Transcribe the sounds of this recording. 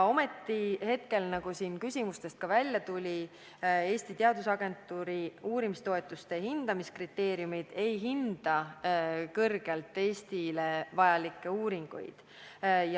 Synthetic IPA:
o̞me̞t̪ːihe̞t̪ke̞lnɑɡ̥usiːnkysʲimust̪e̞st̪̚kɑvælʲːjɑt̪ulʲi | e̞ːsʲt̪it̪eɑd̪usɑɡe̞nt̪ːˑuːɾiuːɾimist̪o̞e̞t̪ˑːust̪e̞hind̪̥ɑmiskrit̪ːe̞ːɾiumid̪̥e̞jɦind̪̥ɑ | kɤrɡ̥elt̪ˑːe̞ːsʲt̪ile̞vɑjɑlikːe̞uːɾiŋɡ̥ṵjd̪̥ | j

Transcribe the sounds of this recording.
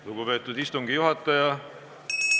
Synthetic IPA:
luɡ̥upe̞ːt̪ːˑud̪̥ist̪uŋɡijuɦɑt̪ːˑɑjɑ

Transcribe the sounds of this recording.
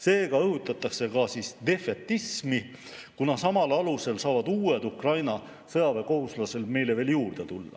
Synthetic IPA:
se̞ːɡ̥ɑɤhut̪ːˑɑt̪ːˑɑkse̞kɑsisd̪̥e̞fet̪ːismi | kunɑsɑmɑlɑluse̞lsɑːvɑd̪uːe̞d̪ukrɑjnɑ | sɤɑve̞ko̞huslɑse̞lme̞jle̞ve̞ːljuːrd̪̥e̞t̪ulːɑ̰

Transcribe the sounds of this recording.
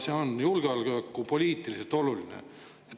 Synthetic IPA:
seonjulɡ̥eɑlɡ̥øːkːupo̞lʲiːt̪ˑilise̞lt̪o̞lulinḛ | et̪

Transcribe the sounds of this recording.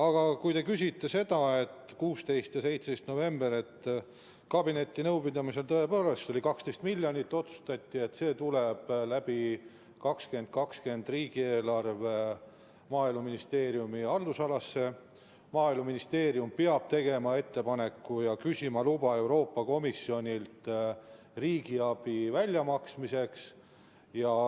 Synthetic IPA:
ɑɡ̥ɑkujt̪e̞kys̬ʲit̪ːe̞se̞d̪̥ɑe̞t̪ːˑkuːst̪e̞jst̪jɑse̞jt̪seest̪no̞ve̞mbeɾe̞t̪ː | kɑbine̞t̪ʲˑːinɤwbid̪ɑmise̞lt̪ɤ̞e̞poːlest̪o̞lʲikɑkst̪e̞jst̪milʲːjɑnʲit̪ːˑo̞t̪su̥st̪ɑt̪ʲːie̞t̪ːse̞ːt̪ule̞b̥læb̥i | kɑkske̞nd̪̚kɑkske̞nd̪riːɡ̥ieːlɑrve̞ | mɑːilmɑminist̪e̞ːɾjumiɑld̪usɑlɑsːe̞ | mɑːilmɑminist̪e̞ːɾjumpeɑb̥̚t̪e̞ɡe̞mɑe̞t̪ːe̞pɑne̞kːujɑkysʲimɑlubɑe̞wɾo̞ːpːɑko̞misːio̞nʲilt̪ | riːɡ̥iɑb̥ivælʲjɑmɑksmise̞ks | jɑ

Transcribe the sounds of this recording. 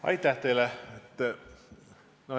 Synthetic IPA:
ɑ̰jt̪ːæht̪ejlɛet̪ː | no

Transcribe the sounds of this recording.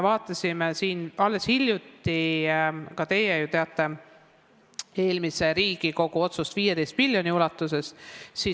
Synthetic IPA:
evɑːt̪ːˑɑsʲimesiːnɑlːe̞shilʲjut̪ːˑi | kɑt̪e̞jejut̪eɑt̪ːˑe̞ | e̞ːlmise̞ɾiːɡiko̞ɡuo̞t̪sust̪viːje̞t̪e̞jst̪milʲjo̞niulɑt̪ːˑuse̞ssi

